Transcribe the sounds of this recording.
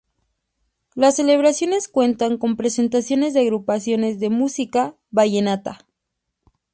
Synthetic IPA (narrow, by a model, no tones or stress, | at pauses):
lasːe̞le̞βɾasjo̞ne̞skwe̞nt̪aŋko̞mpɾe̞se̞nt̪̬asjo̞ne̞zðeaɣɾupasjo̞ne̞zðemusika | βaʝe̞nat̪a